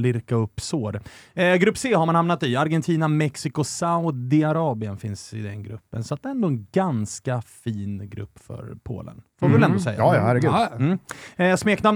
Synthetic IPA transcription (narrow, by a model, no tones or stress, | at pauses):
lɪɾkaɵpːsoːɾɡɾɵpːseːhaɾmanhamnat̪ɪaɾɡɛnt̪ʰiːnamɛksɪkʊsaʊd̪ɪaɾɑːbɪənfɪnsɪ̰d̪ɛnɡɾɵ̰pːənsɔat̪̚d̪ɛɛnd̪oːɛnɡanskafiːnɡɾɵ̰pːfœ̰ɾpʰo̰ːlə̰nfoːɾɪvɛlɛnʊsɛ̰jːaːj̰hæɾɡʉm̩ːsmeːkna